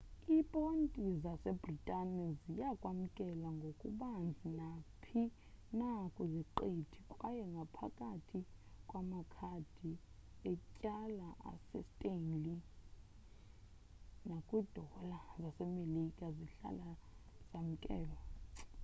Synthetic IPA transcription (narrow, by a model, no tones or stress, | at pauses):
ipʼontʼizasɛbritʼanɛzijakʼwam̩kʼɛlaŋɡʱokʼuɓand͡zʱinapʰi | nakʼuziǃetʰikʼwajɛŋɡʱapʰa̰kʼatʰikʼwamakʰad̥ʱi | ɛcʼalaʔa̰sɛstʼenli | nakʼwid̥ʱɔlazasɛmelikʼaziɬa̰laz̥am̩kʼɛːlɔ